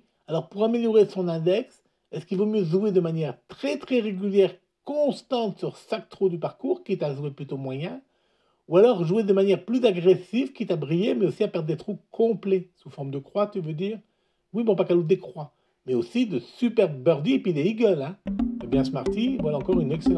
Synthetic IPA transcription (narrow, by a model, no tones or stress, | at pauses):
alɔʁpuʁameljɔʁesɔ̃nɛ̃d̪ɛks | ɛskilvomjøʒued̪əmanjɛʁt̪χɛt̪χɛʁeɡʲyljɛʁ | kɔ̃st̪ɑ̃t̪syʁsak̚t̪χod̪ypaʁkuːʁkʲit̪aʒweplyt̪omwajɛ̃ | ualɔʁʒued̪əmanjɛʁplyzaɡʁesivkʲit̪abʁijemɛosiapɛʁd̪̚d̪et̪χukʰɔ̃plɛsufɔʁmd̪əkχwat̪yvød̪iːʁ | wibɔ̃pakalod̪ekχwa | mɛosid̪əsypɛʁbœʁd̪iepɥid̪eiɡœlɛ̃ɛbjɛ̃səmaʁt̪ivwalaɑ̃kɔʁynɛkselɑ̃